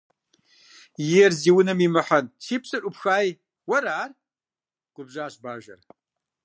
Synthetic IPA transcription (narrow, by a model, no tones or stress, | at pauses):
jɛrziːwʊnɐmimɨħɐntʰiːpɕʼɨʔʼʊpxaːj | wɐɾaːr | ɡ̥ʷʊbʑaːɕbaːʒɐ̰r